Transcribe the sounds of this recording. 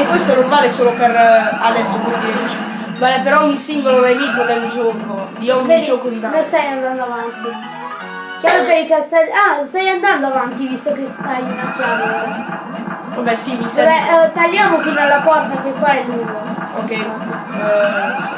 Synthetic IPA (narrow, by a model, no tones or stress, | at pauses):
ekːwest̪oɛnoɾmaːlesoːlopeɾad̪ɛsːoket̪it͡ʃɛ | balɛpeɾɔɔɲːisiŋɡolod̪emitːod̪eld͡ʒornod̪iɔɲːid͡ʒɔkod̪it̪anõst̪ajand̪and̪oavant̪i | kjaɾopɛɾikast̪aast̪ajand̪and̪oavant̪ivist̪oketajunat̪ːaɾa | abɛsimisɛbɛt̪alːjaːmokinalːapɔrt̪akekwaɛlːuːɡoo̰kːɛj